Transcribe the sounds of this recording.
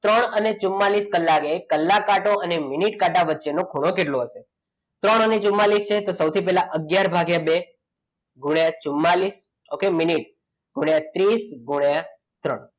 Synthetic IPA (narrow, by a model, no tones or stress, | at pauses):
t̪ɾəɳ̃ənet͡ʃumːaliskəlːakekəlːakaʈoʔəneminiʈkaʈaʋətːʃenokʰuɽ̃okeʈloɦəʃe | t̪ɾəɳ̃ənet͡ʃʊmːalist͡ʃʰet̪osəwt̪ʰipɛɦlaʔəɡjaɾbʱaɡjabe | ɡʱuɳjat͡ʃʊmːalis | okeminiʈ̚ | ɡʱuɳjat̪ɾisɡʱuɽja | t̪ɾəɳ